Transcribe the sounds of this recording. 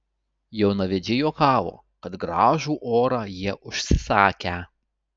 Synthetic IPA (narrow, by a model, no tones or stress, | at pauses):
jɛʊnɐʋʲɛd͡ʒʲɪjoːkɑːʋo̰ː | kɐt̪ɡɾɑːʒuːʔoːɾɑːjiɛʔʊʃʲsʲɪsɑːkʲæ